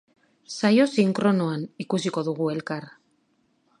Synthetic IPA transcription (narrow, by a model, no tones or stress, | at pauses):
sajo̞siŋkɾo̞noanikusiko̞ðuɣue̞lkar